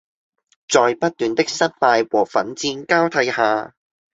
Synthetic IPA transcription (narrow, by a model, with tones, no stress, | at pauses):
t͡sɔː˨˧jpɐ˥t̚t̪yː˨nt̪ɪ˥k̚sɐ˥t̚paː˧jwɔː˨˩fɐ˨˥nt͡siː˧nkaː˥wt̪ʰɐ˨˧˥jhaː˨˧